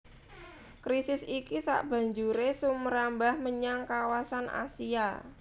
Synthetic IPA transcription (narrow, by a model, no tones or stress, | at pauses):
kɾisɪsikisa̰ʔb̥ä̤ɲd͡ʒuɾesʊmməɾambahməɲaŋkawasanʔa̰sia